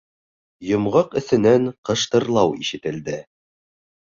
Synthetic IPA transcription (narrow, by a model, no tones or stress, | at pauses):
jŏmʁɤqɵ̆θɘ̆næɴqɤ̆ʃt̪ɤ̆ɾlˠɑwiʃɘ̆t̪ɘ̆ld̪ɘ